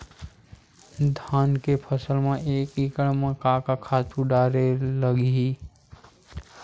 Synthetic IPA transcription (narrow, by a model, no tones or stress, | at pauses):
d̪ʱaːnkepʰəsəlmẽeːkikəɽmẽkakakʰat͡ʃuɖaːɾeləɡi